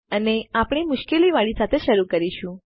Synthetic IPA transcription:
əneapɽ̃imʊʃkeliʋaɭisat̪ʰeʃəɾukəɾiʃũ

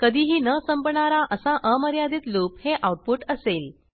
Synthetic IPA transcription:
kəd̪ʱiːɦiːnəsəmpɳaɾaʔəsãʔəməɾjad̪iːt̪loːpheʔawʈ̚puʈəseːl

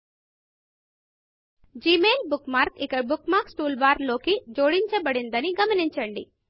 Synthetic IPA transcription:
d͡ʒiːmeːlbukmaːɾkikɐbukmaːɾksʈuːlbaːɾlo̞ːkid͡ʒoːɽiɲt͡ʃɐbɐɽind̪ɐniɡɐmɐniɲt͡ʃɐɳɖi

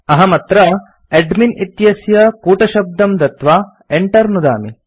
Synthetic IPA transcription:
ɐɦɐmɐt̪ɾɐ | eɖminit̪jɐsjɐkuːʈɐʃɐb̚d̪ɐmd̪ɐt̪ʋaː | eɳʈɐɾnud̪a̰ːmi

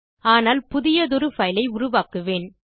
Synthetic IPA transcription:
aːnaːlpʊðɪjɐðʊɾɯfɐjlɐɪʊɾʊʋaːkɯʋeːn

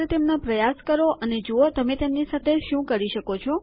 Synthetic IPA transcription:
et̪emnapɾəjaskəɾoʔʔəned͡ʒuot̪əmet̪emnisat̪ʰeʃũkəɾiʃəkot͡ʃʰo

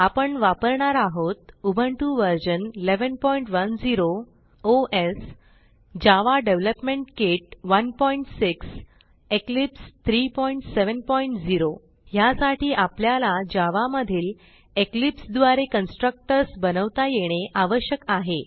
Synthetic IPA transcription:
apəɳʋapəɾɳaɾaɦot̪ubʱəɳʈuʋəɾd͡ʑənleʋənpɔiɳʈʋənd͡ziɾo | oʔes | d͡ʑaʋaɖeʋləpmẽɳʈkeʈ̚ʋənpɔiɳʈsiks | eklipst̪ʰɾipɔiɳʈseʋənpɔiɳʈd͡ziɾo | jasaʈʰiːʔapljalad͡ʑaʋaməd̪ʱiːl | eklipsd̪ʋaɾekənsʈɾək̚ʈəɾsbənəʋt̪ajeɽ̃eʔaʋəɕjəkaɦe

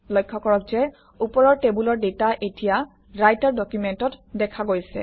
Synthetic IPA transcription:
lɔjkʰːɔkɔɹɔkzɛ | upɔɹɔɹtebulɔɹdetaʔetija | ɹajtaɹdɔkjumentɔtdɛkʰaɡojsɛ̰

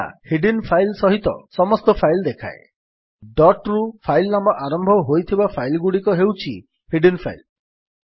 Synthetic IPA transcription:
ahiɖinpʰajlsɔɦit̪ɔ̰sɔmɔst̪ɔpʰajld̪ekʰa̰e | ɖɔʈɾupʰajlnambɔʔaɾɔmbʱɔɦojt̪ʰibapʰajlɡuɽikɔɦewt͡ʃʰi | hiɖinpʰa̰jl

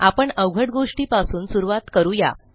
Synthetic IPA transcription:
apəɳəwɡʱəʈɡoʂʈiːpasuːnsuɾuʋat̪kəɾuːja̰

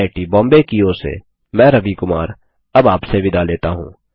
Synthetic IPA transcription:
ɪʈibɔ̃ːmbekioːsḛ | mɛ̃ːɾɐʋikʊmaːɾ | ɐbaːpseʋɪd̪ʱaleːt̪aɦṵ̃ː

